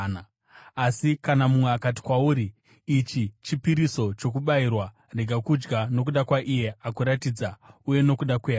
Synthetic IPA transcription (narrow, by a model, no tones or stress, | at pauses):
asikanamumweakat̬i̥kwauːɾiː | t͡ʃit͡ʃipiɾiso̞t͡ʃo̞k̬uɓairwa | reɡʱakud͡ʒɡano̞k̬uɗakwaʔije̞akuɾatid͡zauje̞no̞kuɗakweɦa